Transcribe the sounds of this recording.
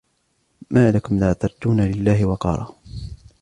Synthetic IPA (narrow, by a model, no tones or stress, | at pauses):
maːlakʊmlaːt̪ɑɾˤt̪uːnalɪlːaːhɪwɑqɑ̰ːɾˤɑː